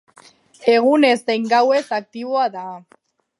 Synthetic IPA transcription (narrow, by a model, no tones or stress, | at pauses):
e̞ɣ̞une̞zd̪ejŋɡawe̞sak̚t̪iβoaða